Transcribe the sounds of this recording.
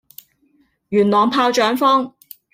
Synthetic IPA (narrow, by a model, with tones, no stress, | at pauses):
jyː˨˩nlɔː˨˩ŋpʰaː˧wt͡ʃœː˨˥ŋfɔː˥ŋ